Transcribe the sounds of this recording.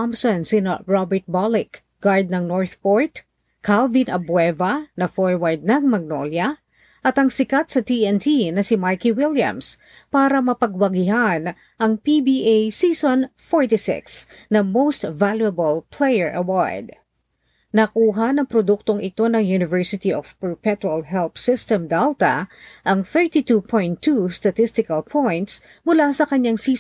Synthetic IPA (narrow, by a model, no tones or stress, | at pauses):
ɑmsɔ̃nsɪnɐɹɔbɛɹt̪̚balɪk | ɡ̥aɹd̪̚nɐŋnoɹθpoɹt̪ | kʰːalvɪnʔɐbwɛvɐnɐfoɹwaɹd̪̚nɐŋmɐɡ̚no̰ljɐ | ʔɐt̪ɐŋsɪkat̪sɐt̪iɛnt̪ʰinɐsɪmaɹkiwɪljɐ̰̃ms | paːɾɐmɐpɐɡwɐɡɪɦan | ʔɐŋpibiʔejsiːsonfoɹt̪isɪ̰ksnɐmowst̪valjuɐbɐlpʰlɛjɛɹʔɐwa̰ɹd̪̚ | nɐkuːɦɐnɐŋpɾod̪uk̚t̪oŋɪt̪o̞nɐŋjunɪvɛɹsɪt̪iʔov̥pɛɹpɛt̪wɐlɦɛlpsɪst̪ɛmd̪ɛlt̪ɐ̰ʔɐŋθɛɹt̪it̪upʰõjnt̪ʰːust̪ɐt̪ɪst̪ɪkɐlpʰojnt̪s | mʊlasɐkɐɲːaŋsiː